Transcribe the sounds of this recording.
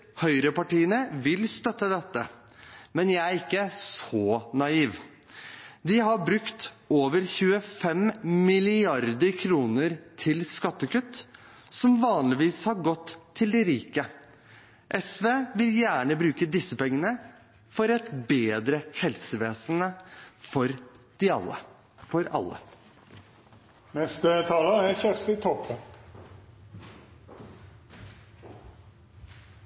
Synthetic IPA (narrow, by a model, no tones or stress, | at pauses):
hœʏɾəpɑʈiːənəʋɪlst̪œt̪ːəd̪ɛt̪ːə | mɛnjæɪæɾɪkːəsɔnɑiːʋ | d̪ɪhɑbɾʉkt̪ | oːʋəɾçʉːəfɛmmɪlɪɑɾd̪əɾkʰɾuːnəɾt̪ʰɪlskɑt̪ːəkʉt̪ː | sɔmʋɑːnlɪʋiːshɑɾɡɔt̪ʰːɪld̪ɛɾiːkə | ʔɛsʋeːʋɪljæːɳəbɾʉːkəd̪ɪsːəpɛŋːənə | fɔɾɛt̪beːd̪ɾəhɛlsəʋeːsənəfɔɾd̪̥ɪɑ̰lːə̰ | fɔɾɑ̰lːə̰ | nɛst̪ət̪ʰɑːləæçæʁst̪ɪt̪ʰɔpəm